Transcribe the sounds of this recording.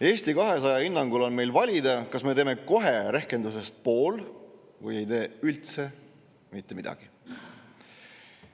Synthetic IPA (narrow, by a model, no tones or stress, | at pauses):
e̞ːst̪ikɑɦe̞sɑjɑinːɑŋɡulo̞nme̞jlvɑlʲid̪ɑkɑsme̞t̪e̞ːme̞ko̞ɦeɾe̞hke̞nd̪us̬e̞st̪̚po̞ːl | vuje̞jt̪e̞ːylt̪se̞ | mit̪ːe̞mid̪ɑ̰ɡ̥i